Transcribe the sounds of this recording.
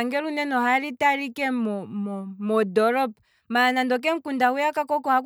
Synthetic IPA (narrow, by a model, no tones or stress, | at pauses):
ŋɡɛɾunɛnɔɦaɾitaɾikɛmɔmɔmɔdɔɾɔp̚ | manandɔk̬ɛŋ̩kundaujakakɔkɔhak